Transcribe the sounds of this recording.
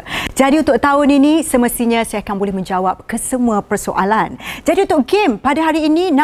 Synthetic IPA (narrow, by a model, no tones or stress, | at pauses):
d͡ʒadiunt̪ʊk̚t̪aʊninĩsəməst̪iɲãsajakanbolɛhmə̃ɲd͡ʒawap̚kəsəmuapərsoʔa̰land͡ʒadiunt̪ʊkɡempadaɦaɾiːnĩnã